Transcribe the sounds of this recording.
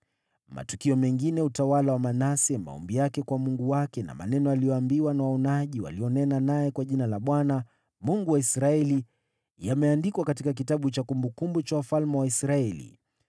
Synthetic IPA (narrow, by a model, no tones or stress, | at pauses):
ma̰tukiɔmɛŋɡinɛutawalawamanasɛma̰ɔ̰mbijakɛkwamuŋɡuwakɛna̰ma̰nɛnɔalijɔambiwanawaɔnaʄiwa̰liɔnɛnanajɛkwaʄinalaɓwana | muŋɡuwaisɾaɛli | jamɛandikwakatikak̬itaɓut͡ʃakumbukumbut͡ʃawafalmɛwaisɾaɛlḭ